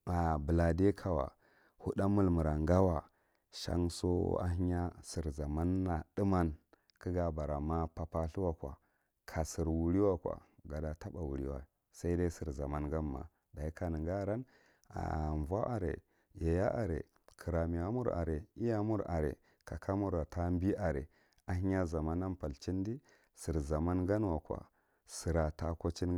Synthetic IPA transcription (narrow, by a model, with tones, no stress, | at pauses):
a˨bə˨la˨de˦kʰa˨wa̰˨ | hu˦ɗa˦mu˦lmu˨ɾa˨ŋɡa˦wa˨ | ʃa̰˦ŋso̰˦a̰˦ɦi˦ɲa˦si˨ɾza˨ma˦nːa˨ɗi˦ma˦n | kə˦ɡa˨ba˨ɾa˨ma˦pa˦pa˦ɬu˦wa˦kʷa̰˨ | kʰa˨si˨ɾwu˨ɾi˦wa˦kwa̰˨ɡa˨da˨ta˦ɓa˨wu˨ɾḭ˦wa˦˨ | sa˦i˦da˦si˨ɾza˨ma˦nɡa˦mːa̰˨ | da˨i˦ka˨ni˨ɡa˦ɾa˦n | a̰˨ɱ˨va˦ʔa˨ɾḛ˨ | ja˨ja̰˦ʔa˨ɾḛ˨ | kʰi˨ɾa˨mi˨a˦mu˦ɾa̰˨ɾe˨i˦ja˦mu˦ɾa̰˨ɾḛ˨ | ka˨kʰa˦mu˦ɾa˨tʰa˦mbi˦ʔa˨ɾḛ˨ | a˨ɦi˦a˦za˨ma˦nːa˦mpa˨lt͡ʃi˦n˦di˦ | si˨ɾza˨ma˦nɡa˦n˦wa˨kʷa̰˨ | si˨ɾa˨ta˨ko˦t͡ʃi˦n